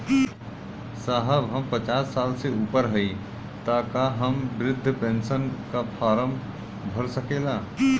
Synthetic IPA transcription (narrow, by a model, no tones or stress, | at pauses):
saːɦəbɦəmpət͡ʃaːsːaːlseuːpəɾɦəi | t̪aːkaɦəmʋɾɪd̪ʱːpẽːnsənkapʰaːɾəm | bʱəɾsəkeːlaː